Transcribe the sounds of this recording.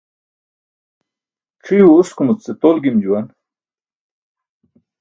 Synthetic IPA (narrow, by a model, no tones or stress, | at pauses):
ʈ͡ʂʰijuuskumut͡sːet̪olɡimd͡ʑuwan